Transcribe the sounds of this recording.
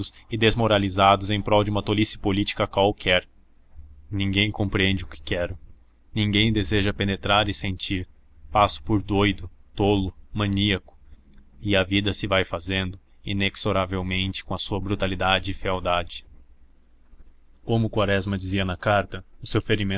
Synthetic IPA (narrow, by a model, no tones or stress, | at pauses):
ʊsɪd̪ezmoɾalizad̪ʊzẽj̃pɾɔwd͡ʒɪũmɐt̪olisɪpolit͡ʃi̥kɐkwawkʰɛɾ | nĩŋɡẽj̃kõpɾiẽnd͡ʒɪʊkɪ̥kɛɾʊ | nĩŋɡẽj̃d̪ezeʒɐpenet̪ɾaɾɪsẽnt͡ʃiɾ | pasʊ̥poɾd̪ojd̪ʊt̪olʊmɐ̃niɐkʊ̥ | ɪɐvid̪ɐsɪvajfazẽnd̪ʊ | ineksoɾavewmẽnt͡ʃɪ̥kõɐsuɐbɾut̪alid̪ad͡ʒɪɪfiawd̪ad͡ʒɪ | kõmʊkwaɾɛzmɐd͡ʒiziɐnɐkaɾt̪ɐʊsewfeɾimẽ